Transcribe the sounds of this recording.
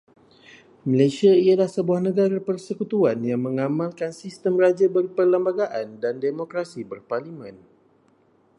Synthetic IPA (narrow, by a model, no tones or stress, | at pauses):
malasiaialahsəbuahnəɡaɾapərsəkut̪uanjaŋmə̃ŋamãlkansist̪əmrad͡ʒabərpərləmbaɡaʔandandemokɾasibərparlimə̃n